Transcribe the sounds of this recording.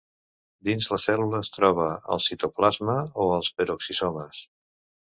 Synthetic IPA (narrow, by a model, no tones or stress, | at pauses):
d̪inzləsɛluləːst̪ɾɔβ̞əə̰lˠsit̪oplazməoəlˠspəɾoksisɔməs